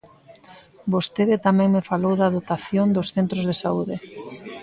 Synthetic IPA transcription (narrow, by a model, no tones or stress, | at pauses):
bost̪eðɪt̪amɛ̃ŋmefalowðaðot̪aθjond̪osθent̪ɾozðesauðɪ